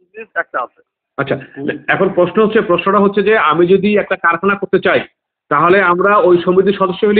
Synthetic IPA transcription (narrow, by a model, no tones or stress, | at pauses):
isɛk̚ʈaae | atːɕʰaɛkʰonpɾoʃnoɦotːt͡ɕʰepɾoʃnoʈaɦot̪ːɕʰed͡ʑeamid͡ʑod̪iɛk̚ʈakaɾkʰanakoɾt̪et͡ɕaj | t̪aɦoleamɾaojʃombɾit̪iɾʃɔd̪oʃːoɦeli